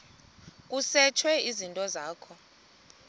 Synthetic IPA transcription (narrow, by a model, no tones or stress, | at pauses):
k̬ʼusɛt͡ʃʰwɛizintʼɔzaːkʰɔ